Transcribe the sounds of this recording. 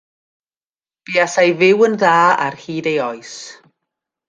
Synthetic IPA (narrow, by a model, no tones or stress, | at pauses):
b̥iːasajvɪwənðaːa̰rhiːdejɔɨs